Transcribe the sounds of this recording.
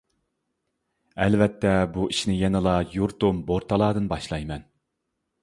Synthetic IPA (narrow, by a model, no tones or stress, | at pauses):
ɛlvɛt̪ʰːɛbuiʃnɪjɛnɨlˠɑjuɾt̪umboɾt̪ʰɑlˠɑːd̪ɨnbɑʃlˠɑjmɛn